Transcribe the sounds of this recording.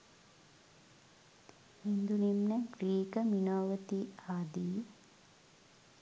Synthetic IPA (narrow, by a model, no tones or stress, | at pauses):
hind̪unimneɡɾiːkəminoːʋət̪iaːd̪iː